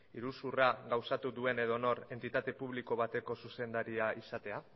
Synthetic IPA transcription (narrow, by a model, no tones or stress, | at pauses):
iɾusuraɡawsat̪uðue̞ne̞ðo̞no̞ɾe̞nt̪it̪at̪e̞puβ̞liko̞βat̪e̞ko̞suse̞nd̪aɾiaisat̪e̞a